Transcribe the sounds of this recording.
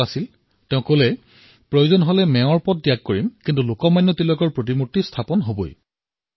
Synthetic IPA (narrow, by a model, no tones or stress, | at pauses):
asil | tɛʊ̃kolɛ | pɹojuzɔnɦɔlɛmɛ̃ɔɹpɔt̚dijak̚koɹimkintulokɔmajnːɔtilɔjkɔɹpɹot̬imutːistʰapɔnɦobo̰j